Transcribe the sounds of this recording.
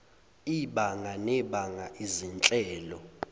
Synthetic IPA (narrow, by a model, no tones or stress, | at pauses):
iɓaŋanɛɓaŋaʔizint͡ɬʼɛːlɔ